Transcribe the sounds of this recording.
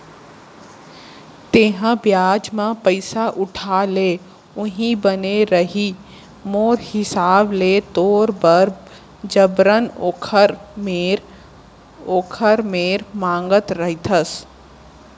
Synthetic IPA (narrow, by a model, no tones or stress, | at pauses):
t̪eːɦãbjaːd͡ʒmãpəɪsaʔʊʈʰaːle | ʊɦĩbəneɾəɦi | moːɾhɪsaːblet̪oːɾbəɾ | d͡ʒəbɾənokʰ | ɾ | oːkʰəɾmeːɾmãːŋɡət̪ɾəɦit̪ʰəs